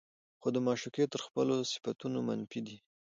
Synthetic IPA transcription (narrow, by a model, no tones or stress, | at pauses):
xod̪əmɑʃuket̪əɾxpəlosɪ̥fat̪unoma̰nfid̪i